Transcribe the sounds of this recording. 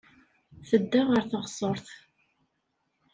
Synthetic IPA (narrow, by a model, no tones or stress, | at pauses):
θəd̪ːaʁəɾθɑʁsˤɔɾˤθ